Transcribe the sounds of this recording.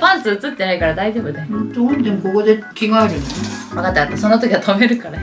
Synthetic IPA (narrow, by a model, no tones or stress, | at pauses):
pãnsɨɯt͡sɨt̪ːe̞naikaɾad̪aiʑo̞ːbɯ̟d̪et̪oõnd̪emko̞ko̞d̪e̞kʲiɡaeɾɯ̟noemaɡat̪ajat̪ːaso̞not̪okʲiβat̪ʰome̞ɾɯ̟kaɾa